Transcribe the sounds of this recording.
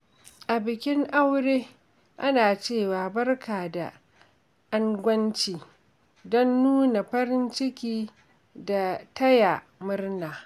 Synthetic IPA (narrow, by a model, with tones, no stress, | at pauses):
ʔa˨bɪ˨kʲɪ˦ŋʔa˦wɽeː˦ | ʔa˦naː˨t͡ʃeː˦˨waː˨bɐ˦rkʰaː˨da̰˨ | ʔa˦ŋɡʷɐ˦nt͡ʃiː˨ | dɔ˦nːuː˦na˨ɸɐ˦ɾɪ˦nt͡ʃɪ˦kʲiː˦ | da˨tɐ˦ja˨ | mʊ˦rnaː˨